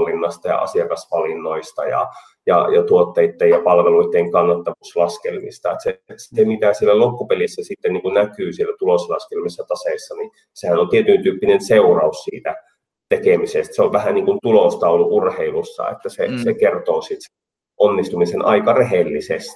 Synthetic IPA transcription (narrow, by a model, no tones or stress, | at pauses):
linːɑst̪ɑjɑ̰ʔɑ̰siɑkɑsʋɑlinːoist̪ɑjɑ̰ | jɑ̰jɑt̪uot̪ːeit̪ːejjɑpɑlʋeluit̪ːeːŋkɑnːɑt̪ːɑʋuslɑskelmist̪ɑet̪sesi̥t̪emit̪æsielːælokːupelisːæsit̪ːenniːŋkunnækyːsielːæt̪uloslɑskelmisːɑt̪ɑseisːɑni | sehænolt̪iet̪ynt̪yːpːinenseurɑussiːt̪æ | t̪ekemisest̪seoʋʋæhæniːŋkunt̪ulost̪ɑuluʔurheilusːɑ̰ḛt̪ːæsesekert̪oːsit̪se | ʔonːist̪umisenʔɑ̰ikɑreɦelːisest̪i̥